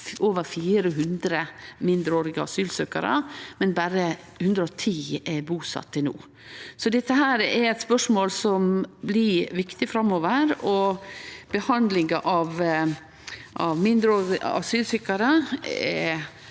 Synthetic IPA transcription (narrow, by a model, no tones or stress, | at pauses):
oːʋəɾfiːɾəɦʉnd̪ɾəmɪnd̪ɾəoːɾɪɡəɑ̰syːlsøːkɑ̰ɾə̰mɛnbæːɾə | hʉnd̪ɾəɔt̪ʰiːɛbuːsɑ̰t̪ʰːɪnṵː | sɔd̪ɛt̪ːəɦæːɾɛɾɛt̪spœʂmoːlsɔmblɪʋɪkt̪ɪfɾɑmːoːʋəɾɔ | b̥əhɑnd̪lɪŋɡɑʔɑʋ | ʔɑʋmɪnd̪ɾəoːɪ̰ɑ̰syːlsʏkːɑɾəɛ̰